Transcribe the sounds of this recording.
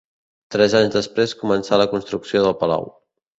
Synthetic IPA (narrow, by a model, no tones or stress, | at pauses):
t̪ɾɛzaɲzðəspɾeskumənsaləkunst̪ɾuksioðəlˠpəla̰w